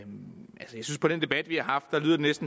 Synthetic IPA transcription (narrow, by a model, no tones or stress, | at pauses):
ʔælsəjäsynspʰɒ̽ɾ̥end̥e̝b̥æd̥ʋihɑ̈ɦɑ̈fd̥ːɑ̈lyðˠɐde̝nesd̥n̩